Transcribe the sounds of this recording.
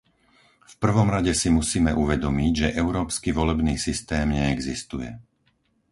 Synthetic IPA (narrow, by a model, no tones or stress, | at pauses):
fpr̩ʋɔmɾaɟɛsimusiːmɛʔuʋɛd̪ɔmiɟʒɛʔɛʊɾɔːpskiʋɔlɛbniːsist̪ɛːmɲɛːɡzist̪ujɛ̰